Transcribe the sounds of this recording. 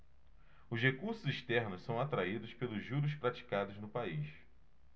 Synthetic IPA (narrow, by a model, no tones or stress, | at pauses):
ʊshekuɾsʊziʃt̪ɛɾnʊssɐ̃w̃at̪ɾaid̪ʊspelʊzʒuɾʊs̬pɾat͡ʃi̥kad̪ʊznʊpais